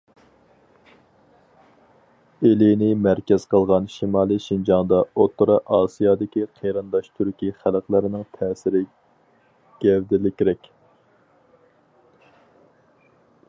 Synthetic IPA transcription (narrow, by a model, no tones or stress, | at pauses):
elɪnɪmæɾkʲɛz̥qəlˠʁɑnʃimɑːlˠijʃind͡ʒɑŋd̪ɑot̪ːʊɾɑʔɑːsijɑːd̪ɪkʲiqʰeɾɨnd̪ɑʃt̪ʰyɾkʲiχælqlˠəɾɪnɪŋt̪ʰɛːsɪɾɪ | ɡ̥ʲɛvd̪ɪlɪkʲɾɛkʲ